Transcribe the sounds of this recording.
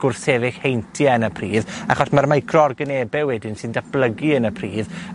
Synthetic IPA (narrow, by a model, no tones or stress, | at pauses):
ɡ̥ʊrθɛvɪxhejntʰjənəpʰriːðaχɔsmarmajkʰrɔrɡənebɛwɛdɪnsɪndab̥lˠəɡiənəpʰriːð